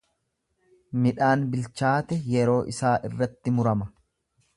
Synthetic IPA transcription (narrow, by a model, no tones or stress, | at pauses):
mɪᶑaːnbɪlt͡ʃaːt̪ɛjɛɾo̞ːʔɪsaːʔɪ̰rːɐt̪ːɪmʊɾɐmɐ